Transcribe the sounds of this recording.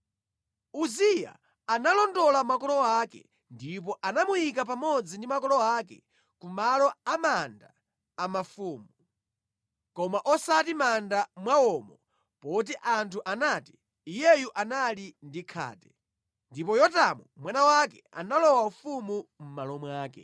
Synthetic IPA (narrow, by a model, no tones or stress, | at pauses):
uzija̰ | analɔndɔlamakɔlɔwakɛ̰ | ndip̬ɔʔanamujikap̬amɔd͡zindimakɔlɔakɛ̰ | kumalɔamandaː | mafuːmu | kɔmaʔɔsatimandamwaɔːmɔ | pɔt̬iʔantʰuʔanaːtiː | jɛjuʔanalindikʰa̰ːtɛ | ndipɔjɔtamumwanawakɛa̰nalɔwaufumum̩malɔmwaːkɛ̰